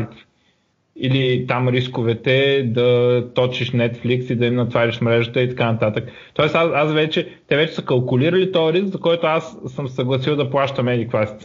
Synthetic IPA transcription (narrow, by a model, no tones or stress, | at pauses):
t̪ | ilit̪amɾiskovɛt̪ɛd̪ɐt̪ɔt͡ʃiʃnɛt̪fliksid̪ɐimnɐt̪vaɾiʃmɾɛʒət̪əit̪ɐkanɐt̪at̪ək | t̪ɔɛsasasvɛt͡ʃɛt̪ɛvɛt͡ʃɛ̥səkɐlˠkʊliɾəlit̪ɔɐɾiskzɐkɔjt̪oasːəmsəɡlˠɐsilˠd̪ɐplˠaʃt̪əmɛd̪ikvasi̥t̪